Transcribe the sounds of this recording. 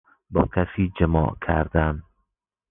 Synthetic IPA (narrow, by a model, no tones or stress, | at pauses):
bɒ̰ːkʰasid͡ʒɪmɒ̰ʔkʰaɾd̪an